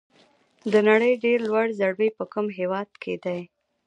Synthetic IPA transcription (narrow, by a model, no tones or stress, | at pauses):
d̪ənaɽəjɖeɾlwaɽzaɽbəjpəkumɦewɑd̪̚kʰed̪aj